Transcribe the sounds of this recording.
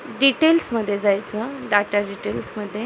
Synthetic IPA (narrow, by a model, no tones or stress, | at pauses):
ɖiʈelsməd̪ʱːjed͡zajt͡səɖaʈəɖiʈelsməd̪ʱːje